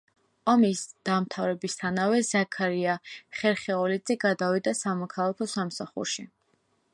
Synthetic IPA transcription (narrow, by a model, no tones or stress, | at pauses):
ɔmisd̪̥amt̪ʰavɾɛbist̪ʰanavɛzakʰaɾiaχɛɾχɛɔlid̪zʼiɡad̪avid̪asamɔkʰalˠakʰɔsamsaχṵɾʃi